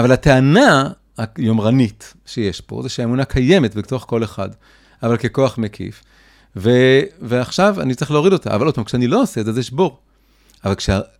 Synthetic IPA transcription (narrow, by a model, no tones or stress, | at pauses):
avalat̪eana | ajo̞mʁanit | ʃeje̞ʃbo̰zeʃeaemunakʰaje̞metbet̪o̞χko̞le̞χa̰d | avalke̞ko̞aχmekʰḭf | veveaχʃava̰nitt͡saʁiχxleo̞ʁido̞ta̰ʔavalo̞t̚pamkʃeanilo̞osezazjeʃboʁ | avalkʃea